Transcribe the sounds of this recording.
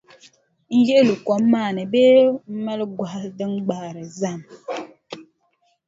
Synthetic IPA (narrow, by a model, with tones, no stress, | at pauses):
ŋ̩˦je˦lu˨kɔ˨˦mːaː˦˨nə˨be˦mɛ˦lɡwa˨hdə˦ŋ̩˦ɡ͡ba˦˨ɾə˨za˦˨m